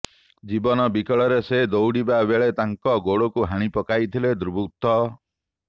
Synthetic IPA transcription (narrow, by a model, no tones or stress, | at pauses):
d͡ʒibɔnɔbikɔɭɔɾesed̪owɽibabeɭet̪aŋkɔɡoɽokuɦaɽ̃ipɔkajt̪ʰiled̪ɾubut̪ɔ